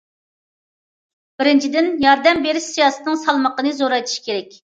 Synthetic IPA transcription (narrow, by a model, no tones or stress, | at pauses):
b̥ɪɾɪnt͡ʃʰid̪ɪnjɑɾd̪ɛmbeɾɪʃsijɑːsɨ̥t̪nɨŋsɑlˠməqənɨzoɾɑjt̪ʰɨ̥ʃkʲʰeɾɛkʲ